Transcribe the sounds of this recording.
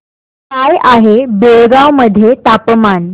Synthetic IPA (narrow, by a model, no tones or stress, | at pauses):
kajʔaɦebeɭɡawməd̪ʱːjet̪apəman